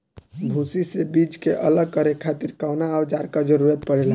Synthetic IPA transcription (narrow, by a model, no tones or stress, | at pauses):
d̪ʱusisebid͡ʒkeʔələɡ̚kəɾekʰat̪iɾkawnaaʊd͡ʒaɾkad͡ʒəɾuɾət̪̚pəɽela